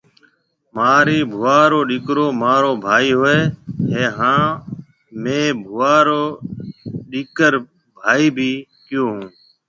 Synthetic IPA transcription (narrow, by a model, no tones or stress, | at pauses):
maːɾiːbʱʊʋaːɾoːɗiːkɾoːmaːɾoːbʱaːiːɦoːeːɦẽːɦãː | mẽːbʱʊʋaːɾoː | ɗiːkəɾ | bʱaːiːbʱiːkɪjoːɦũː